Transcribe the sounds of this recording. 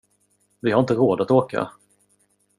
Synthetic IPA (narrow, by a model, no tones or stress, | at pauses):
vɪhaɾɪnt̪əɾoːd̪at̪oːka̰